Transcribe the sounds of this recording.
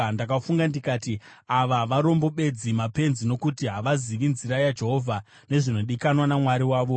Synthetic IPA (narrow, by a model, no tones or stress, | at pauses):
ndakafuŋɡandikaːti | aʋaʋaɾo̞mbo̞ɓe̞d͡zimape̞nzino̞kutiɦaʋaziʋinzirɾajad͡ʒe̞ɦo̞vʱa | ne̞ʐino̞ɗikanwanamwaɾiwaːʋo̞